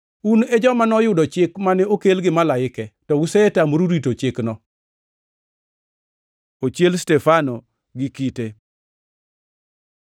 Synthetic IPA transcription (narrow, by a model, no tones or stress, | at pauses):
uned͡ʒɔmanɔjʊdɔt͡ʃɪkmanɛokelɡɪmalaɪkɛtɔwʊseetamɾuɾitot͡ʃɪknɔ | ot͡ʃelstɛfano | ɡɪkite